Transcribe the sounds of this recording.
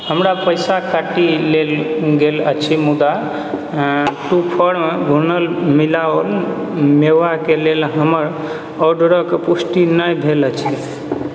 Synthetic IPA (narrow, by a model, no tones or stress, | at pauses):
həmɾapəjsakaʈilelɡelə̰t͡ʃʰimud̪a | ʈupʰəɽmeɡʱunəlmilaəl | mewakelelɦəməɾ | ɔɖɾəkepusʈinəjbʱelət͡ʃʰi